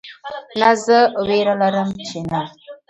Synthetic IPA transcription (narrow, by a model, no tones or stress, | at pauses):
nazəweɾələɾəmt͡ʃinə